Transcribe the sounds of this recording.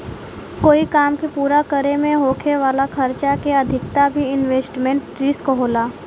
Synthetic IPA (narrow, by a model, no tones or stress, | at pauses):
koːikaːmkepuːɾakəɾemẽɦoːkʰeʋaːlakʰɐɾt͡ʃakeɐd̪ʱɪkt̪abʱiɪnʋeːsʈmẽɳʈːɾiːskoɦoːlaː